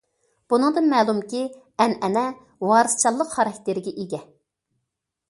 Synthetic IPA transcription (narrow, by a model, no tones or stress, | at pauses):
b̥unɨŋd̪ɨnmɛːlˠumkʲi | ɛnɛnɛ | wɑːɾɨst͡ʃʰɑlˠːəqχɑɾɑkʲt̪ɪɾɪɡʲɛʔiɡʲɛ